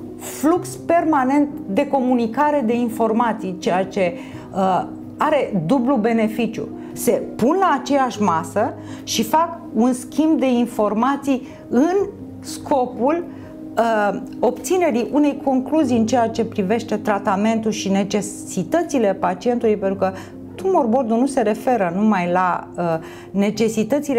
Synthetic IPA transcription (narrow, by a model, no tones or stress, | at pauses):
flukspe̞rmane̞nt̪d̪e̞ko̞munikaɾe̞d̪e̞info̞rmat̪sijt͡ʃe̞jat͡ʃe̞ | ə | aɾe̞d̪ublube̞ne̞fit͡ʃʲjṵ | se̞punlaːt͡ʃe̞jaʃmasə | ʃifak | unskʲimb̚d̪e̞info̞rmat̪sij | ɨn | skʰo̞pul | o̞pt̪sine̞ɾiʔune̞jkʰo̞ŋkluzijɨnt͡ʃe̞jat͡ʃe̞pɾive̞ʃt̪e̞t̪ɾat̪ame̞nt̪ulʃine̞t͡ʃe̞ | sit̪ət̪sile̞pat͡ʃie̞nt̪ulujpent̪ɾukə | t̪umo̞rbo̞rd̪unuse̞ɾe̞fe̞ɾənumajlaə | ne̞t͡ʃe̞sit̪ət̪sil